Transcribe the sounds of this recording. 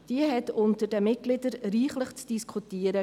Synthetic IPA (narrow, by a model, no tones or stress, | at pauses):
d̥iəɦɛtʊntəɾdəmɪt̚ɡ̥lɪdəɾɾiːχləχt͡sd̥iskχutiəɾə